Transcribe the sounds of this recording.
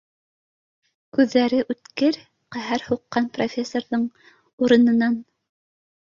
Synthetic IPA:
kʉðːæɾɘʔʉt̪kɘɾ | qæɦæɾhuqːɑnprofʲesːorðɤɴ | uɾɤ̆nɤ̆nɑn

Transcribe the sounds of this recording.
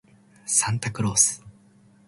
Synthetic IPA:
sãnt̪akɯ̟ɾoːsɨ̥

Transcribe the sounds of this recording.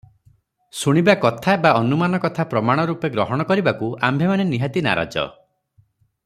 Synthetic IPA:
suɽ̃ibakɔt̪ʰabaɔnumanɔkɔt̪ʰapɾɔmaɽ̃ɔɾupeɡɾɔɦɔɽ̃ɔkɔɾibakua̰mbʱemaneniɦat̪ina̰ɾa̰d͡ʒɔ̰

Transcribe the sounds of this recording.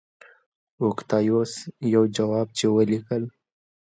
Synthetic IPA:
ʊkt̪ɑjosjawd͡ʒawɑb̚t͡ʃewəlikəl

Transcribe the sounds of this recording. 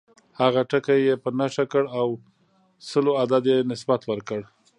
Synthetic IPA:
haɣaʈəkajepənaʃakəɽaw | səload̪ad̪jenɪsbat̪wəɾkəɽ

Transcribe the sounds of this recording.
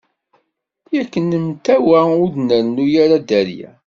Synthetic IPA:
jækːənəmt̪æwæʊd̪nəɾnujaɾad̪æɾjæ̰

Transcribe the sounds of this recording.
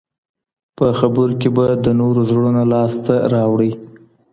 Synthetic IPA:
pəxabəɾokebad̪ənoɾozɽunolɑst̪aɾɑwɽəj

